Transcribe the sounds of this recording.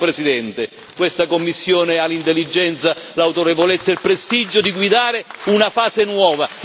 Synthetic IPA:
pɾesid̪ɛnt̪e | kwest̪akomːisːjoːnɪalːint̪elːid͡ʒːɛnt̪salawt̪oɾevolet̪sːailpɾest̪id͡ʒːʊd̪iɡwid̪aːɾɪunafaːzenwɔːva

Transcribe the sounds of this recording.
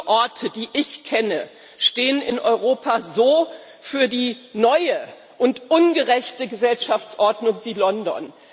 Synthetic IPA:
ʔɔɐtʰədiːʔɪçkʰɛnə | ʃteːənɪnʔɔʏʁoːpazoː | fyːɐdiːnɔʏə | ʔʊntʔʊnɡəʁɛçtəɡəzɛlʃaft͡sʔɔɐdnʊŋviːlɔndɔ̰n

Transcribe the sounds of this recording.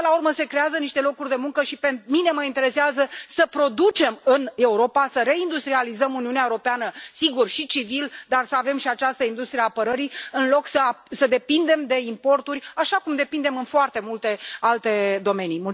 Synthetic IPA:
laurməse̞kɾe̞azəniʃt̪e̞lo̞kurʲd̪e̞muŋkəʃipenmine̞məint̪e̞ɾe̞seazəsəpɾo̞d̪ut͡ʃe̞mɨne̞uɾo̞pasəɾe̞ind̪ust̪ɾializəmuniuneaeuɾo̞peanəsiɡurʃit͡ʃivild̪arsəave̞mʃiat͡ʃast̪əind̪ust̪ɾiaːpəɾəɾiɨnlo̞ksəasəd̪e̞pind̪e̞md̪e̞impo̞rt̪urʲaʃakumd̪e̞pind̪e̞mɨnfoart̪e̞mult̪e̞alt̪e̞d̪o̞me̞nimul

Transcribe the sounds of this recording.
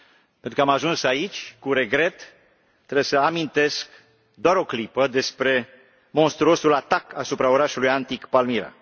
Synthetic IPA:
penɾukəamaʒunsait͡ʃʲkuɾe̞ɡɾe̞t̪ː | ɾebsəamint̪e̞sk | d̪oaɾo̞klipəd̪e̞spɾe̞ | mo̞nst̪ɾuo̞sulat̪akasupɾaoɾaʃulujant̪ikpalmiɾa̰

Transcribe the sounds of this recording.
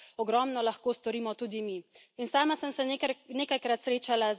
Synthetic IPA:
ɔɡɾɔmnɔlaxkoːst̪ɔɾiːmɔt̪uːd̪imiinsaːmasəmsɛneːkajkɾat̪sɾeːt͡ʃala

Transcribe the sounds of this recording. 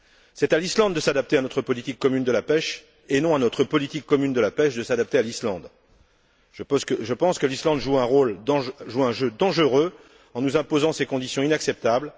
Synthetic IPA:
sɛt̪alislɑ̃d̪ːəsad̪ap̚t̪eanɔt̪χəpɔlit̪ikːɔmynd̪əlapɛʃ | enɔ̃anɔt̪χəpɔlit̪ikːɔmynd̪əlapɛʃd̪əsad̪ap̚t̪ealislɑ̃d̪ | ʒəkəʒəpɑ̃skəlislɑ̃d̪ʒuɛ̃ʁolɑ̃ʒuɛ̃ʒød̪ɑ̃ʒəʁø | ɑ̃nuzɛ̃pozɑ̃sekɔ̃d̪isjɔ̃inaksɛp̚t̪abl

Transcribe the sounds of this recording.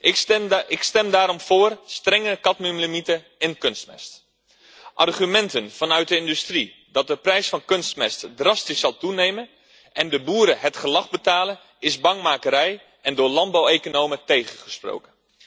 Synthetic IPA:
ɪkstɛmdaːɾɔmvʊːrstrɛŋəkɑtmymləmitə | ɪnkɵnst̚mɛ̰st | ʔɑrχymɛntənv̥ɑnœɥt̚dəɪndystri | dɑt̚dəprɛjsfɑnkɵnstmɛstdrɑstissɑlˠtunejmən | ʔɛndəbuːɾəɦətχəlɑχbətaːlən | ɪzbɑŋmaːkəɾɛj | ɛndʊːɹlɑnd̚bawejkonowmətejχəχəspro̰wkən

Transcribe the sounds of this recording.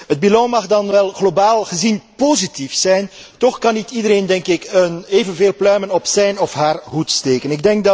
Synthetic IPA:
ɦəd̚bilɔwmɑɣdɑnʋɛlˠɣlobaːlˠɣəzinpozitifsɛjntɔxkɑnitidəɾeːndɛŋkɪkəneːvənveːlˠplœɥmənɔpsɛjnɔfɦaːrɦutsteːkənɪɡ̚dɛŋkdɑ

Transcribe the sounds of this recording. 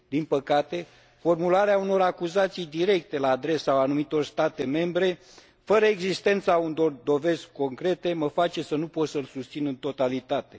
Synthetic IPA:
d̪inpəkat̪e̞ | fo̞rmulaɾeauno̞ɾakuzat̪sijd̪iɾe̞k̚t̪e̞laːd̪ɾe̞saːnumit̪o̞rst̪at̪e̞me̞mbɾe̞ | fəɾəeɡzist̪e̞nt̪saund̪o̞rd̪o̞ve̞zko̞ŋkɾe̞t̪e̞məfat͡ʃe̞sənupo̞t̪səɨlsust̪sinɨnt̪o̞t̪alit̪at̪e̞

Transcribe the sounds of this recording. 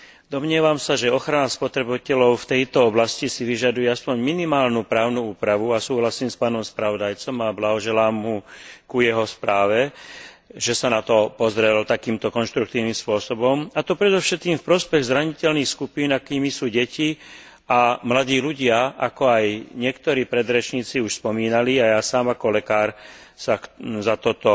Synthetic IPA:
d̪ɔmɲɪɛʋamsaʒɛɔxɾanaspɔt̪ɾɛbcɛlɔʊft̪ɛjt̪ɔɔblascisiʋiʒad̪ujɛaspɔɲminimaːlnupɾaːʊnuuːpɾaʋuasuːɦlasiːmspaːnɔmspɾaʋɔd̪ajt͡sɔmablaɦɔʒɛlaːmɦukujɛɦɔspɾaːʋɛ | ʒɛsanat̪ɔpɔzɾɛlt̪akiːmt̪ɔkɔnʃt̪ɾuk̚t̪iːʊniːmspʊɔsɔbɔmat̪ɔpɾɛd̪ɔfʃɛt̪̚kiːmfpɾɔspɛɣzɾaɲicɛlniːxskupiːnakiːmisuːɟɛci | amlaɟ̪iːluɟɪaʔakɔajɲɪɛkt̪ɔɾiːpɾɛd̪ɾɛt͡ʃɲiːt͡siuʃspɔmiːnaliajaːsaːmakɔlɛkaːɾsazat̪ɔt̪ɔ

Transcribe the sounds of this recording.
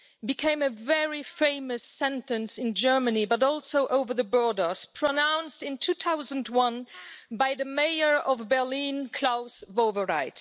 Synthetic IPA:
bɨkʰẽɪ̃mɨvɛɹifẽɪ̃mɨsɛ̃ntɨ̃nsɨ̃nd͡ʒɜ˞mɨnibʌɾɔlˠsoʊʔoʊvə˞ðɨbɔɹdə˞spʰɹ̥ənãʊ̃nstɨ̃ntʰʉθaʊzə̃n̩dwʌ̃nbaɪðɨmeɪə˞ʔʌvbɛ˞lĩnkʰl̥aʊsvoʊvəɹaɪt

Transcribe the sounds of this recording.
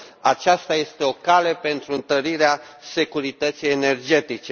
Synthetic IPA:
at͡ʃast̪aje̞st̪e̞o̞kale̞pe̞nt̪ɾuɨnt̪əɾiɾease̞kuɾit̪ət̪sijene̞rd͡ʒe̞t̪it͡ʃe

